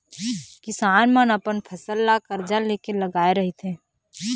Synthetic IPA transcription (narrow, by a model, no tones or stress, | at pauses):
kɪsaːnmənɐpənpʰɐsəlːakəɾd͡ʒaleːkelɐɡaːeɾɐɦit̪ʰẽː